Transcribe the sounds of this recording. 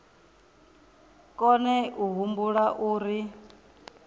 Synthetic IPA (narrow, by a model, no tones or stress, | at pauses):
kʼɔnɛʔuɦumbuɺaʔuːɾi